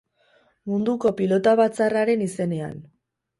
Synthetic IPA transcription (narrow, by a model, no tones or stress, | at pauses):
mund̪uko̞pilo̞t̪aβat͡saraɾe̞nise̞ne̞a̰n